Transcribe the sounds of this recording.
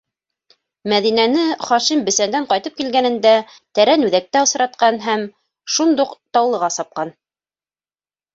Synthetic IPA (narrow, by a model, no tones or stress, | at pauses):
mæðinænɘχɑʃimbɘ̆sænd̪æɴqɑjt̪ɤp̚kilɡænɘ̆nd̪æ | t̪æɾænʉðæk̚t̪æŏsɤ̆ɾɑt̪̚qɑnɦæm | ʃund̪uqt̪ɑwlˠɤ̆ʁɑsɑp̚qɑn